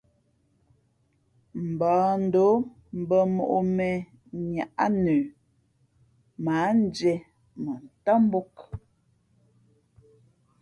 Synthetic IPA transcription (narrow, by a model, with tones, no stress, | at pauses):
m̩˨bɔː˨n̩˦do˨˦ | m̩˨bə˨mo˨ʔo˨mɛ˨ | ɲa˨ʔa˦nəː˨ | ma˨˦n˦d͡ʒɛ˨ | mə˨n̩˨tɔ˦m˦bo˦k